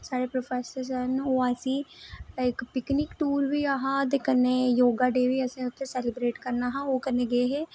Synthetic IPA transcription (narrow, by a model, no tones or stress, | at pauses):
saːɽeːpɾoːpʰɛːsəɾsənoːəsĩːɪkpɪknɪkʈuːɾʋiːaːɦãːt̪̬eːkənːeːjoːɡaːɖeːʋiːəsĩːʊt̪ʰːesɛːlɪbɾeːʈkəɾnaːɦãːoːkənẽːɡeːɦeː